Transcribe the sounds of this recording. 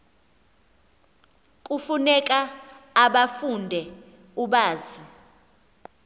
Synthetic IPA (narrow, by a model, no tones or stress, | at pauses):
kʼufunɛkʼaːɓafundʱɛ | uɓaːzi